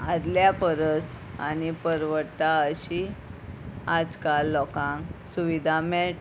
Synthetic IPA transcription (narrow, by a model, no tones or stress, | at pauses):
ad̪ljapəɾəs | a̰ñipəɾʋət̪aəɕi | ad͡zkalːɔkãŋksuʋid̪ʱamɛʈ